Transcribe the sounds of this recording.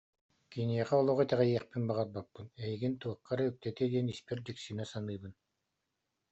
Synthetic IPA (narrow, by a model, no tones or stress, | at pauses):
kiniɛχɛɔlˠɔʁɔt̪ɛʁɛjiɛχpinbaʁat̪̚bapːɯnɛjiɡint̪uɑqːaɾɯøk̚t̪ɛt̪id̪iɛnispɛɾd̪iksinɛsanɯːbɯn